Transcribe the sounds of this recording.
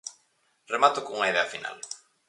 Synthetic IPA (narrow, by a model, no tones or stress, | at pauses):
remat̪okoŋuŋɐiðeɐafina̰l